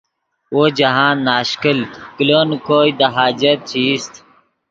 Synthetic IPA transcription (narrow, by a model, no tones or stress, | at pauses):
woːd͡ʑɐɦãːnːaːɕkəlkiloːnkoːid̪ɐɦaːd͡ʑɐt̪̚t͡ɕʰiːst̪